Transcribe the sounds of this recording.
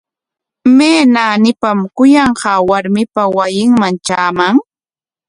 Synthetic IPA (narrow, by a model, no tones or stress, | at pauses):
meːnaːnɪpamkʊjɑɴɢɑːwaɾmɪpawajɪŋmaŋt͡ʃaːmaŋ